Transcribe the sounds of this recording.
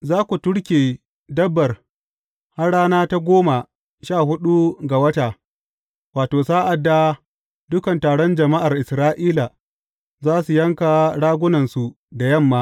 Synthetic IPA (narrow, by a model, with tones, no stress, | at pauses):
zaː˦kʷu˨tʊ˦ɽkʲeː˨ | dɐ˦bːɐ˨r | ha˦rɽaː˦naː˦ta˦ɡʷoː˦ma˨ | ʃaː˦˨hʊ˦ɗu˦ɡa˨wɐ˦ta˨ | waː˨toː˨saː˦ʔa˨dːa˦ | dʊ˦kɐ˨ntaː˨ɽɔ˦nd͡ʒɐ˨ma˦ʔa˨rʔɪ˨sɾaː˦ʔiː˦la˨ | zaː˦su˨jɐ˦ŋka˨ɽaː˦ɡʷʊ˦nɐ˨nsu˨ | da˨jɐ˦˨mːaː˦